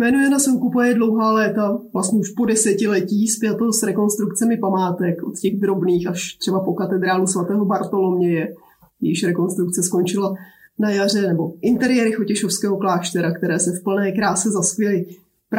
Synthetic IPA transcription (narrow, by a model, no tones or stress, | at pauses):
mɛnujɛnasɛŋkupajɛdlo̞wɦaːlɛːt̪avlastɲɛuʃpo̞dɛsɛcɪlɛciːspɪjɛt̪o̞sɾɛko̞nst̪ɾuk̚t͡sɛmɪpamaːt̪ɛkʔot̪cɛɣd̪ɾo̞bniːxaʃt̪r̥ɛbapo̞kat̪ɛd̪ɾaːlusvat̪ɛːɦo̞baɾt̪o̞lomɲɛjɛ | jɛjɪʃɾɛko̞nst̪ɾuk̚t͡sɛsko̞nt͡ʃɪlanajar̝ɛnɛbo̞ʔɪnt̪ɛɾɪjɛːɾɪxo̞cɛʃofskɛːɦo̞klaːʃt̪ɛɾakt̪ɛɾɛːsɛfpl̩nɛːkɾaːsɛzaskjɛlɪ | p